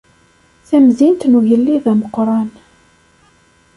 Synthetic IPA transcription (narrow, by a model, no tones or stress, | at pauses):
θæmzint̪nuʝəlːiðæməqɾˤɑn